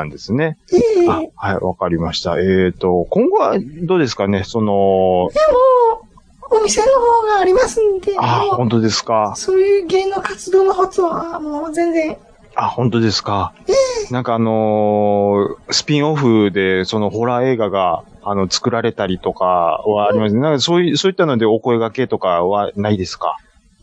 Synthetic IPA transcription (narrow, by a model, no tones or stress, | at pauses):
ãnd̪e̞sɨne̞eahaiβa̰kaɾʲimaɕi̥t̪a̰e̞ːt̪o̞kõ̞ŋɡo̞βad̪o̞ːd̪e̞sɨ̥kane̞so̞no̞moː | mʲise̞nohoːɡaːɾʲimasɨnd̪e̞ahõ̞nt̪o̞d̪e̞sɨ̥kasoːjɯ̟ːɡẽ̞nːo̞kat͡sɨd̪o̞ːnoɦot͡soβamooːzẽ̞nzẽɴ | ahõ̞nt̪o̞d̪e̞sɨ̥kaenãŋkaːno̞ | sɨ̥pʲĩɰ̃o̞ɸɯ̟d̪e̞so̞no̞ɦo̞ɾae̞ːɡaɡaano̞t͡sɨ̥kɯ̟ɾaɾe̞t̪aɾʲit̪o̞kaβaːɾimasɨnenaŋkaso̞ːisoːit̪ːano̞d̪e̞o̞ko̞e̞ɡake̞t̪o̞kaβanaid̪e̞sɨ̥ka̰